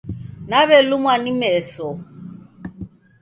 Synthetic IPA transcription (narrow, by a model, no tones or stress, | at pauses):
naβɛlumwanimɛsɔ